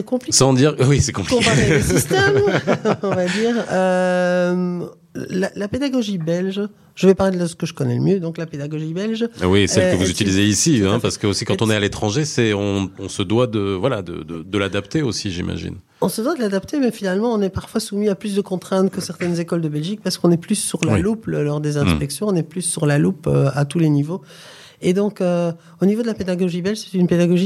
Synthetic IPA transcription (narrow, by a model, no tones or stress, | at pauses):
sɛkɔ̃plisɑ̃d̪iʁwisɛkɔ̃plɔĩkpasist̪ɛmɔ̃vad̪iːʁø | m | lalaped̪aɡɔʒibɛlʒ | ʒ̥əvɛpaʁled̪lasə̥kəʒəkɔnɛləmjød̪ɔ̃klaped̪aɡɔʒibɛlʒwisɛlkəvuzyt̪ilizeisiɛ̃paʁsə̥kəosikɑ̃t̪ɔ̃nɛalet̪χɑ̃ʒesɛɔ̃ɔ̃səd̪wad̪əvwala̰d̪ə̰d̪əd̪əlad̪apt̪eosiʒḭma̰ʒḭn | ɔ̃səd̪wad̪əlad̪apt̪emɛfinalmɑ̃ɔ̃nɛpaʁfwasumiaplys̬d̪əkɔ̃t̪χɛ̃t̪kəsɛʁt̪ɛnzekɔld̪əbɛlʒik̚paʁsə̥kɔ̃nɛplysːyʁlalupləlɔʁd̪ezɛ̃spɛksjɔ̃ːnɛplysːyʁlalupø̰at̪ulenivo | ed̪ɔ̃kø | onivod̪əlaped̪aɡɔʒibɛlʒsɛ̥t̪ynped̪aɡɔʒi